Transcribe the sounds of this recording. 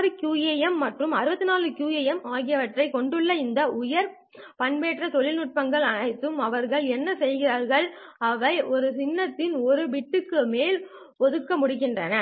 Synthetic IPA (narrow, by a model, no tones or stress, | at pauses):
ɾɯkjuːeːjɛmːɐʈrɯmɐɾɯbɐt̪ːɯnaːlɯkjuːeːjɛmaːɣɪjɐʋɐʈrɐɪkɔɳɖɯɭːɐɪnd̪ɐʔʊjɐɾ | pɐɳbeːʈrɐt̪ɔɭɪlnʊʈ̚pɐŋɡɐɭɐɳɐɪt̪ːɯmɐʋɐɾɣɐɭɛnːɐsɛjɣɪraːɾɣɐɭɐʋɐɪɔɾɯsɪnːɐt̪ːɪnɔɾɯʋɪʈːɯkːɯmeːl | pɔðɯkːɐmʊɽɪɣɪndrɐnɐ